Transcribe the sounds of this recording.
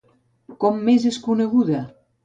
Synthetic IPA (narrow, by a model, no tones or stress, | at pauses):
kɔmːezeskuneɣuða